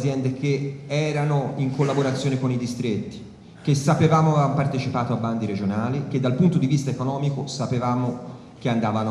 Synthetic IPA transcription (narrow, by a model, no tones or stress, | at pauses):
zjɛnd̪ek̟eɛːɾanoiŋkolːaboɾat̪sːjoːnekonid̪ist̪ɾet̪ːi̥ | kesapevaːmoampart̪et͡ʃipaːt̪oabːand̪iɾed͡ʒonaːlik̟ed̪ːalpunt̪od̪ivist̪aekonɔːmikosapevaːmo | k̟eand̪aːvano